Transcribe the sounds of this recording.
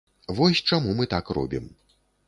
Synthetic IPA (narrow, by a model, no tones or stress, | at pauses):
vɔsʲt͡ʂamumɨt̪akrɔ̰bʲḭm